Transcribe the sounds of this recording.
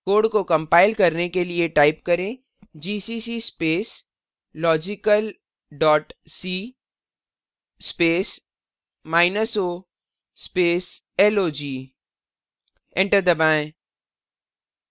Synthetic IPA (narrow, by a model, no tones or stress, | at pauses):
koːɖkokɐ̃mpaːɪlkɐɾnekelieʈaːɪp̚kɐɾẽː | d͡ʒiːsiːsispeːs | lɔːd͡ʒɪkəl | ɖɔːʈsiː | speːs | maːɪnəso | speːs | ɛloːd͡ʒiː | ɪ̃ɳʈəɾd̪ɐbãːẽ